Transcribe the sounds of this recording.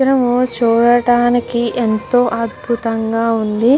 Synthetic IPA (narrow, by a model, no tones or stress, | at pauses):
ɾɐmut͡ʃuːɽɐʈaːnikiʔent̪oːʔɐd̪bʱut̪ɐŋɡaːund̪i